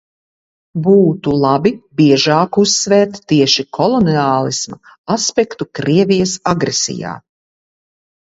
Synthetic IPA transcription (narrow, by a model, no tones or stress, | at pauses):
buːt̪ulˠabibiɛʒɑːkusːvɛːt̪ːiɛʃikʰɔlˠɔniaːlˠisma | aspɛkt̪ukɾiɛvijɐsaɡɾɛsḭja̰ː